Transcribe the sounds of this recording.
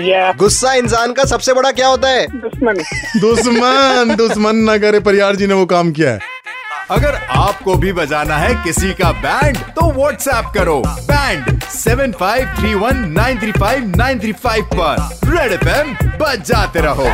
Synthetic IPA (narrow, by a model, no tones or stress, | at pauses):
jɡʊsːaɪnsaːnkasɐbsebɐɽakjaːɦoːt̪̬aɦɛːd̪ʊsmənd̪ʊsmənd̪ʊsmənːɐk̬ɐɾep̬ɐɾɪjaːɾd͡ʒiːneʋokaːmkija̰ɦɛ̰ː | ɐɡəɾaːp̚kobʱibɐd͡ʒaːnaɦɛkɪsikabɛ̃ːɳɖt̪oʋɔːʈsɛːp̚kɐɾoːbɛ̃ːɳɖsɛːʋənfaːɪʋt̪ʰɾiːʋɐnːãːɪ̃nt̪ʰɾiːfaːɪʋnãːɪ̃nt̪ʰɾiːfaːɪʋpɐɾɾeːɽɛfɛmbɐd͡ʒaːt̪eɾɐɦoː